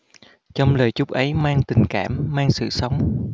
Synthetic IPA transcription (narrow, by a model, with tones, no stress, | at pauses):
t͡ɕɔ˧wŋ͡mləː˨˩jt͡ɕʊ˦˥k͡p̚ʔə˨˦jmaː˧ŋt̪ï˨˩ŋ̟kaː˧˩mːaː˧ŋsɨ̰˧˨sə˨˦wŋ͡m